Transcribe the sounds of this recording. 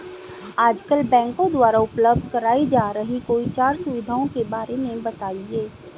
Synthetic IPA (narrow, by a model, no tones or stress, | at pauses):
aːd͡ʒkəlbɛ̃ːŋkõd̪waːɾaʊpləb̚d̪ʱkɐɾaːid͡ʒaːɾəɦikoit͡ʃaːɾsʊʋɪd̪ʱaːõkebaːɾemẽbɐt̪aːieː